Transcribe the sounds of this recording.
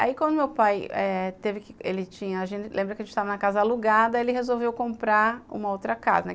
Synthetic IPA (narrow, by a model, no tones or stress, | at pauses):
a̰ikwʷɐ̃nd̪ʊmewpajɛt̪evɪkɪelɪt͡ʃĩɲɐaʒẽnt͡ʃɪlẽbɾɐkɪɐʒẽt͡ʃɪt̪avɐnɐkazɐaluɡad̪ɐelɪɦezowvewkõmpɾaṵ̃mɐowt̪ɾɐka̰zɐnɛ